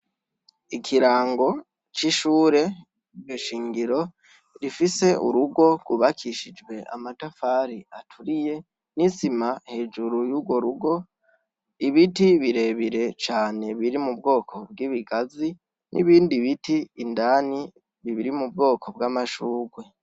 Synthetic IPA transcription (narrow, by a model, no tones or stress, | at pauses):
ikʰiɾaːŋɡo̞ | t͡ʃiʃuːɾe̞ | ijoʃiːŋɡiɾo̞ | ɾifise̞ṵɾuɡo̞ɡ̥uβakʰiʃid͡ʒɡwe̞ʔa̰matafaːɾiatʰuɾije̞ | nizimahe̞ːd͡ʒuɾujuːɡwo̞ɾuɡo̞ | iβitiβiɾe̞βiɾe̞t͡ʃaːne̞βiɾimub̚ɡo̞ːkʰo̞bɡiːβiɡazi | nʔḭβiːndiβitiːndani | βiβiɾimubɡo̞ːkʰo̞bɡamaʃuːɡwe̞